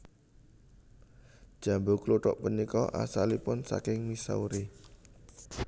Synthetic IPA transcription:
d̥ʒ̥a̤mbokluʈɔʔpənikɔʔa̰salipʊnsa̰kɪŋmisa̰uɾi

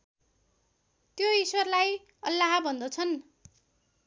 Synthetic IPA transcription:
t̪joiswʌrlaj | ʌlːaɦabʱʌnd̪ʌt͡sʰʌn

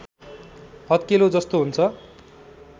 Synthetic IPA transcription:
ʌt̪̚kelod͡zʌst̪oɦunt͡sʰʌ

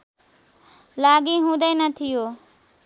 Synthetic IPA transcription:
laːɡĩːɦũːd̪eːnət̪ʰɪjoː

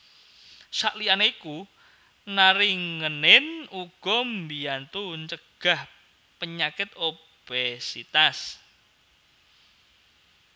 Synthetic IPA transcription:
saʔlianeiku | naɾɪŋŋənɪnuɡ̥ɔmbiant̪uɲt͡ʃəɡ̥ah | pəɲakɪt̪̚o | b̥ɛsit̪as

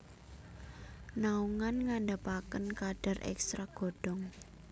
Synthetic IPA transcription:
nauŋanŋanɖapakənkaɖ̥a̤rʔɛ̰kst̪ɾaɡ̥o̤ɖ̥ɔ̤ŋ

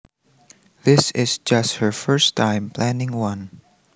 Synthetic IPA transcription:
ðɪsɪzd͡ʒʌst̚hə˞fɜ˞stʰãɪ̃mpʰlæ̃nɪ̃ŋwʌ̃n

